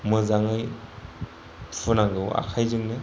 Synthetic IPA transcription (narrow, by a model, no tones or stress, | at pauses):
mɯzaŋɯj | unaŋɡɯwa̰kʰajzɯŋnɯ